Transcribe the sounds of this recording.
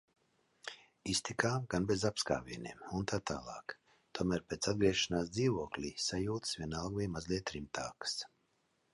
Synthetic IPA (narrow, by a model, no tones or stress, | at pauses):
ist̪ikaːɡanbezapska̰ːvḭɛnʲḛːmunt̪aːt̪aːlˠɑ̰ːk | t̪uɔmæːɾpeːt̪sad̪̚ɡɾiɛʃanaːs̬d̪ziːvuɔklʲiːsajuːt̪svʲiɛnalˠɡvʲiːmazlʲiɛt̪ːɾimt̪aːkə̥s